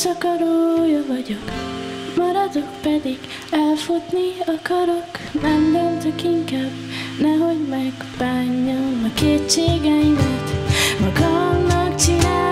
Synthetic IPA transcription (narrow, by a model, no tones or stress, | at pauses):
sɒkɒɾoːjɒvɒɟokmɒɾɒd̪okpɛd̪iɡ | ɛlfut̪niɒkɒɾoknɛmvølt̪økiŋkaːb | nɛɦo̞ɟmɛɡb̥aːɲːɒnɒkeːt͡ʃeːɡɛjimɛt̪mɒɡɒmnɒkt͡ʃinaː